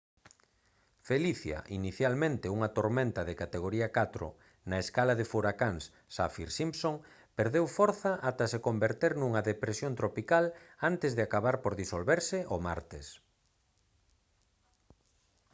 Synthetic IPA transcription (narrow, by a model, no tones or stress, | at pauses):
feliθjɐ̰ʔiniθjalmẽnt̪ɪuŋɐt̪oɾmẽnt̪ɐðekat̪eɣ̞oɾiɐkat̪ɾʊ̰ | nɐeskalaðefuɾakaŋsːa̰fiɾsimsoŋ | peɾðewfɔɾθɐʔat̪ɐsekombeɾt̪eɾnuŋɐðepɾesjont̪ɾopikalant̪ɪzðɪakaβaɾpoɾðisolβeɾsɪʔomaɾt̪es